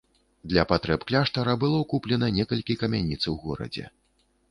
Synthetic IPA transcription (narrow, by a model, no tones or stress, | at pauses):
d̪lʲɐpat̪ɾɛpklʲaʂt̪ɐɾɐbɨlˠɔkuplʲɛnɐnʲɛkɐlʲkʲikɐmʲanʲit̪sɐwɣɔɾɐ̰d͡zʲɛ̰